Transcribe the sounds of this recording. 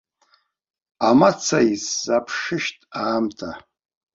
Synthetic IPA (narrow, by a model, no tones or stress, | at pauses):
amat͡sʰaisːapʰʂɨʃtʼaːmtʰa